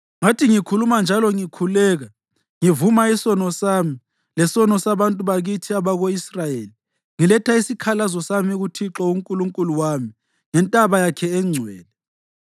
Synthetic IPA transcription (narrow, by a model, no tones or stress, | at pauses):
ŋatʰiŋikʰulumand͡ʒʱalɔŋikʰulɛːɣa | ŋivumaisɔnɔsaːmi | lɛsɔnɔsaβantʼuβaɣitʰiaβaɣoisrajeːli | ŋilɛtʰaisikʰalazɔsamiɣutʰiǁɔuŋkʼuluŋkʼuluwami | ŋɛntʼaβajakʰɛɛŋ͡ǀʱwɛːnɛ